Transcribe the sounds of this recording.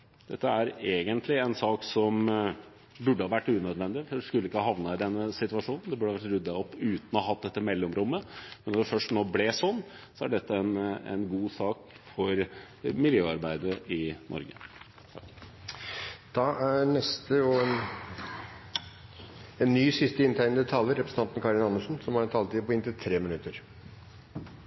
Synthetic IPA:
d̪̥ɛt̪ːəæɾeːɡənt̪ʰlɪɛnsɑːksɔm | bʉɖːəhɑːʋæʈːʉːnœd̪ʋɛnd̪ɪfskʉlːəɪkːəhɑːhɑʋnəɪd̪ɛnːəsɪt̪ʉʋɑʂuːnn̩d̪ɛbʉɖəɑʋæʈːɾʉd̪ːɑɔpːʉːt̪nɔhɔhɑt̪̚d̪ɛt̪ːəmɛlːɔmɾʊmːəmɛnɔfœʂʈnoːblɛsɔnː | sɔæɖɛt̪ːəɛnɛ̰nɡuːsɑːk | fɔɾ | mɪljøːɑɾbæɪd̪əɾəʔɪnʔɔ̰ɾɡə | d̪̥ɑʔæɾnɛst̪əɔɛn | ɛnːyːsɪst̪əɪnt̪ʰæɪnd̪ət̪ʰɑːləɾɛpɾsn̩t̪ɑnt̪n̩kʰɑɾɪnɑnːəʂn̩sɔmhɑɾɛnt̪ʰɑːlət̪ipɔɪnt̪ɪt̪ʰɾeːmɪnʉt̪ːəɾ

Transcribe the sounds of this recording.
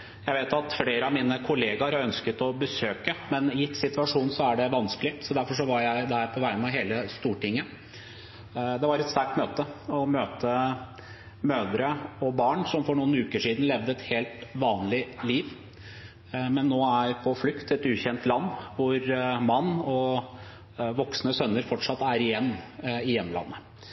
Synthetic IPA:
jæɪʋeːt̪ɑt̪fleːɾəɑmiːnəkʰʊleːɡɑɾœnskət̪ɔbəsøːkəmɛnjɪt̪sɪt̪ʋɑʂuːnsɔæɖɛʋɑnskəlɪsɔd̪æɾfɔʂɔʋɑɾjæɪd̪æɾpʰɔʋæɪənɑʋɦeːləst̪uːʈɪŋːə | d̪ɛʋɑɾɛt̪st̪æɾk̚ʈ̪møːt̪əɔmøːt̪ə | møːd̪əɾəɔbɑːɳsɔmfɔɳuːənʉːkəʂiːd̪n̩lɛʋd̪əɛt̪heːlt̪ʋɑːnlɪliːʋ | mɛnːoːæɾpʰɔflʏkt̪ʰɛt̪ʉːçɛnt̪lɑnːʋʊɾmɑnːɔ | ʋɔksnəsœnːəɾfɔʈʂɑt̪ːæɾɪjɛnːɪjɛmːlɑ̰nːə

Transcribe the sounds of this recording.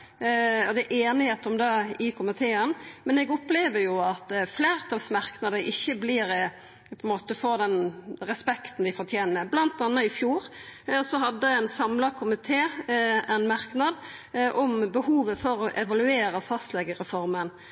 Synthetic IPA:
ɔd̪ɛʔeːnɪheːt̪ɔmd̪ɛɪkʰʊmɪt̪ʰeːənmɛnɛɡɔpleːʋəɾjʊɑt̪fleːɾt̪ʰɑlsmɑɾknɑd̪əʔɪçːəblɪːɾ | pʰɔɛnmoːt̪əfoːɾd̪ɛnɾɛspɛkt̪n̩d̪ɪfɔɾt̪ʰjeːnəɾblɑnt̪ɑnːɑɪfjuːɾsɔɦɑd̪ːəæɛnsɑmlɑkʰʊmɪt̪ʰeːɛnmɑɾknɑd̪ʔɔmbəhuːʋəfɔɾɔʔɛʋɑlʉeːɾəɔfɑst̪lɛɡəɾɛfɔɾmən

